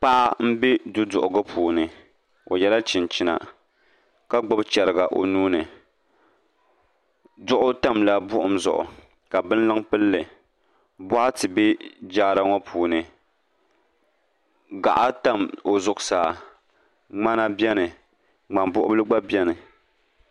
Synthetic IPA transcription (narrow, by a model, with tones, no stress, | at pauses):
k͡pa˦ʔa˦m̩˦bi˦dʊ˦dʊ˨ʔʊ˨ɡɨ˦pʰuː˨nɨ˨ | o̰˨jɛ˦la˦t͡ʃɪ˨nt͡ʃi˦na̰˨ | ka˦ɡ͡ba˦bt͡ʃɛ˨ɾɨ˨ɡa˨ʔo̰˨nuː˦nɨ˨ | dʊ˦ʔʊ˦ta˦mla˦bʊ˦ʔʊ˦mzʊ˨ʔʊ̰˨ | ka˨bɨ˦n˦lɨ˦ŋpɨ˦lːɨ˨ | bʊ˦ʔa˦tɨ˨bɛ˦d͡ʒaː˦ɾa˦ŋɔ˦pʰuː˨nɨ˨ | ɡa̰˨ʔa˦ta˦˨mo˨zʊ˨ʔʊ˨saː˨ | ŋ͡ma˦na˦bjɛ˦nɨ˨ | ŋ͡ma˨mbʊ˦ʔʊ˦bɨ˦lɨ˦ɡ͡ba˦bjɛ˦nɨ˨